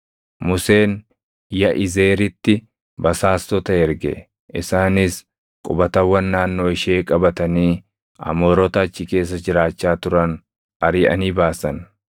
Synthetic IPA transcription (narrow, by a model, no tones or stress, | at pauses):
mʊse̞ːn | jɐʔɪze̞ːɾɪt̪ːɪ | bɐsaːst̪ɔt̪ɐɛɾɡɛ̰ | ʔɪsaːnɪs | kʼʊbɐt̪ɐwːɐnːaːnːo̞ːɪʃeːkʼɐbɐt̪ɐniː | ɐ̰moːɾɔt̪ɐt͡ʃːɪke̞ːs̬ːɐd͡ʒɪɾaːt͡ʃːaːt̪ʊɾɐn | ɐɾɪʔɐ̰niːbaːsɐn